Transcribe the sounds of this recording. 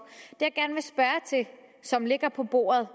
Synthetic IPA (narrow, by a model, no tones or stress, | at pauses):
d̥ejäɡ̥æɐnʋe̝sb̥ɶɐt͡sʰe̝sɒ̽mle̝ɡ̥ɐpʰɒ̽b̥o̝̰ːɐð̞̩ˠ